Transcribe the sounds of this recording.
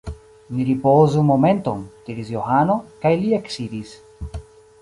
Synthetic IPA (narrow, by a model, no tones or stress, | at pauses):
niɾipozumoment̪oŋt̪iɾizjoxanokajlieksiɾis